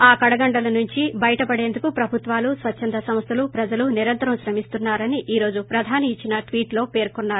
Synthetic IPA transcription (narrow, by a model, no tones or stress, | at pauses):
aːkɐɽɐɡɐɳɖɐlɐnuɲt͡ʃibɐjɐʈɐpɐɽeːnd̪ukupɾɐbʱut̪ʋaːlusʋɐt͡ʃːʃʰɐnd̪ɐsɐmst̪ʰɐlupɾɐd͡ʒɐluniɾɐnt̪ɐɾɐmʃɾɐmist̪unːaːɾɐniʔiːɾo̞ːd͡ʒupɾɐd̪ʱaːniːt͡ʃːinɐʈʋiːʈlo̞ːpe̞ːɾkonːaːɾu